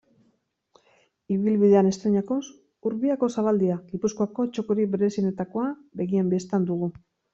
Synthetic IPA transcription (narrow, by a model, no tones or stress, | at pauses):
iβilβiðeane̞st̪ɾeɲako̞s | uɾβiako̞saβald̪iaɣipuskoako̞t͡ʃo̞koɾiβe̞ɾe̞sine̞t̪ako̞abe̞ɣiambest̪and̪uɣu